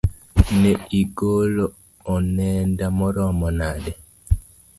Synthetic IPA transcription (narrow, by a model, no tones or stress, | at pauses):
nɛiɡoloː | nɛndamɔɾɔmɔnaɗɛ